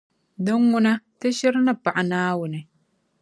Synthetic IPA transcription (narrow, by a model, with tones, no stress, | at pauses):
do˦ŋːʊ˦na˦te˦ʃɪ˦ɾna˦pa˨ʔa˨naː˦wʊ˨nɪ˨